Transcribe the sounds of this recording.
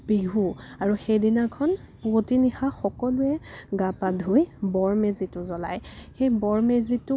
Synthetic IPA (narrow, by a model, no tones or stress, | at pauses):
biɦuaɹuxejdinakʰɔn | potinixaxɔkɔlʊɛɡapadʱojbɔɹmezitʊzɔla̰jxejbɔɹmezitʊ